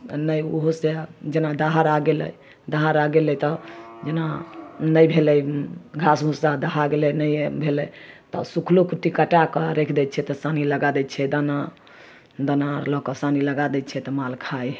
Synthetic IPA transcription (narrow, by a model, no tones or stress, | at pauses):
nəjuɦosed͡ʒenad̪aɦaɾaɡelɛ̰j | d̪aɦaɾaɡelɛt̪ɔd͡ʒenanəjbʱelɛjɡʱasɦũsad̪əɦaɡelɛnəjbʱelɛt̪ɔsukʰlokuʈːikəʈakɔɾekʰd̪ɛt̪t͡ʃʰɛt̪ɔsaniləɡad̪ɛt̪̚t͡ʃʰɛd̪ana | d̪anaɾlɔkɔsaniləɡad̪ɛt̪t͡ʃʰɛt̪ɔmalkʰaj